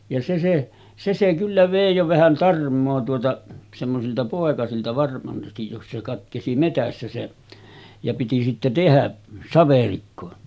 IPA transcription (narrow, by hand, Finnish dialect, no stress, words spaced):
jɑ se se se se kylːæ ʋeˑi jo ʋæhæn tɑrmˑoː tuotɑ semːosiltɑ poˑekɑsiltɑ ʋɑrmɑstij jos se kɑtkesi metæsːæ se jɑ piti sitːe tehæ sɑʋerikːo